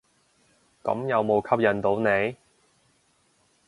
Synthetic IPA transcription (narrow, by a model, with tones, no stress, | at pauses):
kɐ̰˨˥mjɐ˨˧wmo˨˧wkʰɐ˥p̚jɐ˨˧nt̪o˨˥wne˨˧j